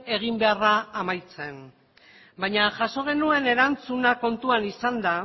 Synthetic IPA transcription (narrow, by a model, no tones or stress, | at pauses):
e̞ɣimbe̞araːmajt͡se̞n | bajɲaʝaso̞ɣ̞e̞nue̞ne̞ɾant͡sunako̞nt̪uanisand̪a